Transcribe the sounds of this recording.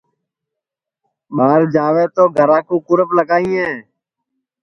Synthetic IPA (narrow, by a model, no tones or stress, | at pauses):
ɓaːɾd͡ʒaːʋeːt̪oːɡʱəɾãːkuːkʊɾəpləɡaːĩːẽː